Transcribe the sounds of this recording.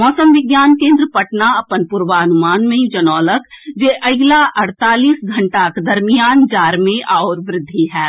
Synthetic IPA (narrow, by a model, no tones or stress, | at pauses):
mɔːsəmʋɪɡjaːnkẽːnd̪ɾəpəʈnaɐpənpʊɾʋaɐnʊmaːnmẽd͡ʒɐnɔːləkd͡ʒeːʔɐɡlaʔɐɽ̤t̪aːliːsɡʱɐ̃ɳʈakd̪ɐɾmijaːnd͡ʒaːɾmẽʔaːoːɾʋɾɪd̪ʱːiɦɛː